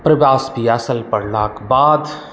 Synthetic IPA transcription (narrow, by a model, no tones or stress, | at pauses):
pɾəʋjaːsbʱiasəlpɐɽlaːkbaːd̪